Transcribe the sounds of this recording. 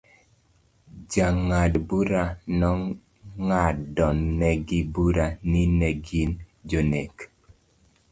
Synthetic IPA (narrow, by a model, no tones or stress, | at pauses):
d͡ʒaŋadbuɾanɔ | ŋadɔnːɛɡibuɾaninɛɡind͡ʒonek